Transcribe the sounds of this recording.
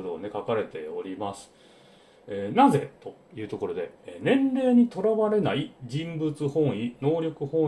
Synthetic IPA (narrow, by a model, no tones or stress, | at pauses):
od̪oane̞kakaɾe̞t̪e̞o̞ɾʲimasɨ̥ | eːnaze̞̰t̪o̞ | jɯ̟ːt̪o̞ko̞ɾo̞d̪e̞eːnẽ̞nɾe̞ːɲ̟it̪o̞ɾaβaɾe̞naid͡ʑĩmbɯ̟t͡sɨhõ̞ɰ̃ino̞ːɾʲo̞kɯ̟hõ̞